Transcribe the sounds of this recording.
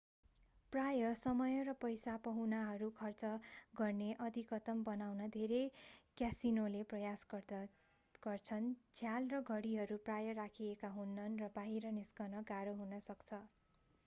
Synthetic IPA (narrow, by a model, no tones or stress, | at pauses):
prajʌsʌmʌjʌrʌpʌjsapʌɦunaɦʌɾukʰʌrt͡sʌɡʌrneʔʌd̪ʱikʌt̪ʌmbʌnawnʌd̪ʱeɾekjasinoleprʌjas | ɡ̥ʌrt͡sʰʌnd͡zʰʱjalrʌɡʱʌɽiɦʌɾuprajʌrakʰiekaɦunːʌnrʌbaɦiɾʌniskʌnʌɡaɾʌɦunʌsʌkt͡sʰʌ